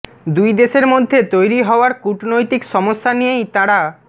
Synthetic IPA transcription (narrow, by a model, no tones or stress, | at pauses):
d̪ujd̪eʃeɾmod̪ʱːet̪ojɾiɦɔoaɾkuʈnojt̪ikʃɔmoʃːanijejt̪aɾa